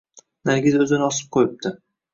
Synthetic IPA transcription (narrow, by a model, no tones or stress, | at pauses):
naɾɡʲɪzɵzɪnɪɒsɪ̥p̚qʰojɪp̚d̪ʰɪ